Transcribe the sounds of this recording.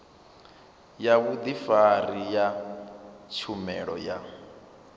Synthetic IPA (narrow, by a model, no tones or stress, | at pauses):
jaβud̪ifarija | t͡ʃʰumɛ̰ɺɔ̰ja